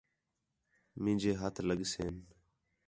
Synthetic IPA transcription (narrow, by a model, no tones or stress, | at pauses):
mĩːd͡ʒeːɦət̪ʰləɡseːn